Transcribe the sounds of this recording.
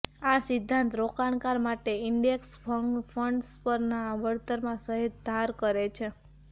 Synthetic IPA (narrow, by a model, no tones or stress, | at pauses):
asɪd̪ʱːãnt̪ɾokaɳ̃kaɾmaʈeɪɳɖeksfəfʰəɳɖspəɾnaʋəɭt̪əɾmãsəɦit̪d̪ʱaɾkəɾet͡ʃʰe